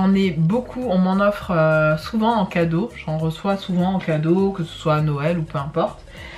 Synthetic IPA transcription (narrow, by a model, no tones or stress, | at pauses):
ɑ̃nɛbokʰuɔ̃mɑ̃nɔfχøsuvɑ̃ɑ̃kad̪oʒɑ̃ʁəswasuvɑ̃ɑ̃kad̪okəsə̥swaːnɔɛlupøɛ̃pɔʁt̪